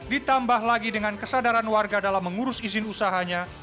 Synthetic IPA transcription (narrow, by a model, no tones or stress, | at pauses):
dit̪ambahlaɡidəŋankəsadaɾanwarɡadalamːəŋuɾʊsizɪnusaɦaɲa